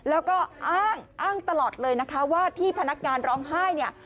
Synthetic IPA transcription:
lɛː˦˥wkɔː˥˩ʔaː˥˩ŋʔaː˥˩ŋt̪a˧lɔː˨˩t̪̚lɤː˧jna˦˥kʰa˦˥waː˥˩t̪ʰiː˥˩pʰa˧na˦˥k̚ŋaː˧nɾɔː˦˥ŋɦaː˥˩jni˥˩ɐ

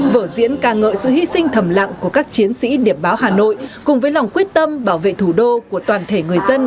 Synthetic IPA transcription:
vəː˧˩zḭ˧˥ənkaː˨˩ŋə̰ː˧˨jsɨ̰˧˥ɦi˧sï˧ŋ̟t̪ʰə˧˩mla̰˧˨ŋku˧˩əkaː˦˥k̚t͡ɕi˨˦ənsḭ˧˥ɗi˧˩əmɓaː˨˦whaː˨˩no̰˧˨jkʊ˨˩ŋ͡mvəː˨˦jla˨˩wŋ͡mkwi˦˥ət̚t̪ə˧mɓaː˧˩wvḛ˧˨t̪ʰu˧˩ɗo˧ku˧˩ət̪waː˨˩nt̪ʰe˧˩ŋɨ˨˩əjzə˧n

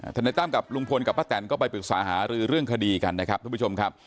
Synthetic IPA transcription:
aː˧˩da˧jt̪aː˥˩mka˨˩p̚lu˧ŋpʰo˧nka˨˩p̚ba˦˥t̪ːlɛ˧˩nkɔː˥˩p̬a˧jpɯ˨˩k̚saː˨˦ɦaː˩˦ɾɯː˧ɾɯ˥˩əŋkʰa˧diː˧ka˧nːa˦˥kʰa˦˥t̪ʰuː˧˩˦t͡ɕʰo˧mkʰa˦˥p̚

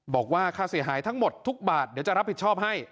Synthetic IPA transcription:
bɔː˨˩k̚waː˥˩kʰaː˥˧˩si˨˩˦ɦaː˩˦jt̪ʰa˦˥ŋmo˨˩t̪ʰːu˦˥k̚baː˨˩t̪̚d̪i˩˦wt͡ɕa˨ɾa˦˥p̚ʰːi˨˩t̪̚t͡ɕʰɔː˥˩p̚ha˥˩j

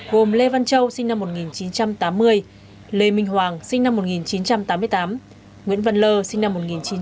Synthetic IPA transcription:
ɣo˨˩mle˧va˧nt͡ɕə˧wsï˧ŋ̟na˧mːo˨˩t̚ŋi˨˩nt͡ɕi˨˦nt͡ɕa˧mt̪aː˨˦mːɨ˧əj | le˨˩mï˧ŋ̟ɦwaː˨˩ŋsï˧ŋ̟na˧mːo˨˩t̚ŋi˨˩nt͡ɕi˨˦nt͡ɕa˧mt̪aː˨˦mɨ˧əjt̪aː˨˦m | ŋwḭ˧˥ənvə˧˨nləː˧sï˧ŋ̟na˧mːo˨˩t̚ŋi˨˩nt͡ɕi˨˦

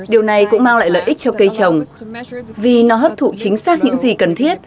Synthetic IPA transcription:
ɗi˨˩əwna˨˩jkʊ̰˧˥ŋ͡mmaː˧ŋla̰ː˧˨jlə̰ː˧˨jʔï˦˥k̚t͡ɕɔ˧kə˧jt͡ɕə˨˩wŋ͡m | vi˨˩nɔ˨˦ɦəː˦˥p̚t̪ʰṵ˧˨t͡ɕï˨˦ŋ̟saː˦˥k̚ɲɨ̰˧˥ŋzi˨˩kə˨˩nt̪ʰi˦˥ət̚

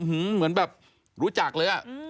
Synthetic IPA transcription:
ɯ˧˩mɯ˩˦ənbɛː˨˩p̚ | ɾuː˦˥t͡ɕa˨˩k̚lɤː˧jʔa˨˩

